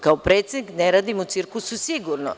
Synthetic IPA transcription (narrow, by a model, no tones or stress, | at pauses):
kaopɾeːt̪sed̪nikneɾaːd̪imut̪siɾkususiɡuɾno